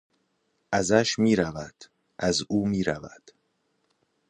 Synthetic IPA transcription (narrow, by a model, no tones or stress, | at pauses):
ʔæzæʃmiːɾævæd̪̥ | ʔæzuːmiːɾævæ̰d̪̥